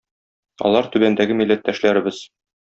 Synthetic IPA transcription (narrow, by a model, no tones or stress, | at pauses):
ɒ̰lˠɑɾt̪ʉbænd̪æɡɘmilːæt̪ːæʃlæɾɘ̆bɘz̥